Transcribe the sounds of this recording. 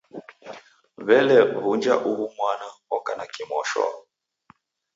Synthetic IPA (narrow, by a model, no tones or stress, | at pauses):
βɛlɛβund͡ʒaʔuβumwanaɔkanakimɔʃɔ̰